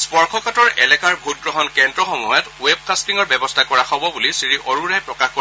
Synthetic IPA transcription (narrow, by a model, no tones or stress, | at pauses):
spɔɹkʰɔkatɔɹɛ̰lɛkaɹbʱut̚ɡɹɔɦɔnkɛndɹɔxɔmɔjɔtueb̚kastiŋɔɹbɛbɔstʰakɔɹaxɔbɔbulisiɹiʔoɹuɹajpɹɔkaxko